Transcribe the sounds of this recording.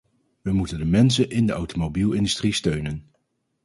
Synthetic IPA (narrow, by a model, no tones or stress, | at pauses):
ʋəmutəndəmɛns̬ənʔɪndəʔɑwtomobilˠɪndystristøɥnən